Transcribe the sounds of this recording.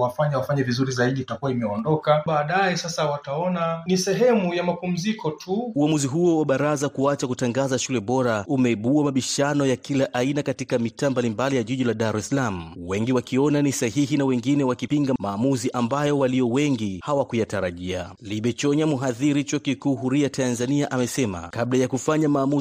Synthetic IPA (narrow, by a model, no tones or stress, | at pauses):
wafaɲawafaɲavizuɾizaiɗitakuwaimɛɔndɔkaɓaːɗajɛsasawataɔnanisɛɦɛmujamapum̩zikɔtʰuuamuziɦuɔwaɓaɾazakuat͡ʃakutaŋɡazaʃulɛɓɔɾaumɛiɓuamaɓiʃanɔjakilaʔainakatikamitaːmbalimbalijaʄiʄilaɗaɾɛsalam̩wɛŋɡiwakiɔnanisaɦiɦinawɛŋɡinɛwakipiŋɡamaːmuziʔambajɔwalijɔwɛŋɡihawakujataɾaʄia̰liɓɛt͡ʃɔɲamuɦaðiɾit͡ʃɔkikuːɦuɾiatʰanzaniaʔamɛsɛma̰kaɓlajakufaɲamaːmu